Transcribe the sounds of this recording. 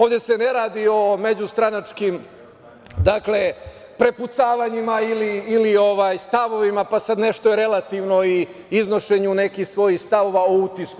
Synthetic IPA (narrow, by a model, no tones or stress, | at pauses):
oːʋd̪ʲe̞se̞ne̞ɾaːd̪io̞me̞d͡ʑust̪ɾanat͡ʂkim | d̪akle̞ | pɾe̞put̪saːʋaɲimailiːlio̞ʋaːjst̪aʋo̞ʋimapasad̪ne̞ʃt̪ojeɾe̞lˠat̪iʋno̞i | izno̞ʃe̞ɲune̞kixsʋo̞jixst̪aʋo̞ʋaout̪isku